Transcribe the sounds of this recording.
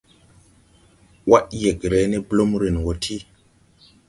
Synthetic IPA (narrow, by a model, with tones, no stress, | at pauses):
wa˦ʔje˨kɾe˨˦ne˦blo˦mɾe˨nwo˨tʰi˦